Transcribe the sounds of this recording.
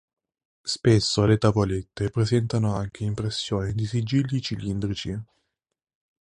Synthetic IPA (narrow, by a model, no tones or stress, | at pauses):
spesːolet̪avolet̪ːepɾezɛnt̪anoaŋk̟ʰeimpɾesːjoːned̪isid͡ʒilːit͡ʃilind̪ɾit͡ʃi